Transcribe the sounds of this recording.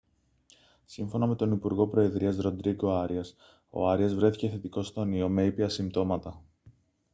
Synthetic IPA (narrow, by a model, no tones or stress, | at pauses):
siɱfo̞nɐme̞t̪o̞nipuɾɣo̞pɾo̞e̞ðɾiɐzɾo̞d̪ɾiɡo̞ɐɾiɐs | o̞̰ɐɾiɐzvɾe̞θice̞θe̞t̪iko̞st̪onio̞me̞ipiɐsimt̪o̞mɐt̪ɐ